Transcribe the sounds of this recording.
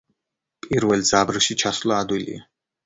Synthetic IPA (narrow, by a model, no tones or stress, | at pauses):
pʼiɾvɛlˠzabɾʃit͡ʃʰaslˠaːd̪wilḭa